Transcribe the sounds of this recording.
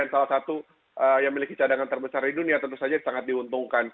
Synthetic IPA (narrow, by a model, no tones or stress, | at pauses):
ansalasat̪u | ʔəjaŋmilikit͡ʃadaŋant̪ərbəsardiduniat̪ənt̪usad͡ʒasaŋat̪̚diɦunt̪uŋkan